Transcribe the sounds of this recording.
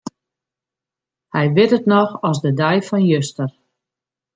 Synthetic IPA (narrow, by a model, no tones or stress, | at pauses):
hɛjʋɪtətnɔxɔsdədɛjfɔnjøstər